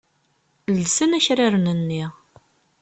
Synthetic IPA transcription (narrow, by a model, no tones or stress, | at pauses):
lsənæçɾaɾnənːiʁ